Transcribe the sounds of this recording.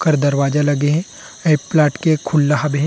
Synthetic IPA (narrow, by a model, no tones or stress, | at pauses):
kəɾd̪ɐɾwaːd͡ʒalɐɡeɦɛ̃ | eːpːlaːʈkekʰʊlːaɦɐbɦɛ̃